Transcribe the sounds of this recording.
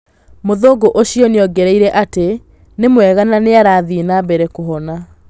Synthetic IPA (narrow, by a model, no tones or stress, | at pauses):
moðoɡoʔoɕiɔneɔɡɛɾɛiɾɛʔate | nemwɛɣananeaɾaːðinabɛɾɛkoɦɔna